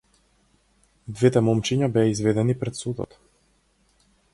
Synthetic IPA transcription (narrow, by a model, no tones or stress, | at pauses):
d̪vɛt̪ɛmɔmt͡ʃiɲabɛaizvɛd̪ɛnipɾɛt̪sud̪ɔ̰t̪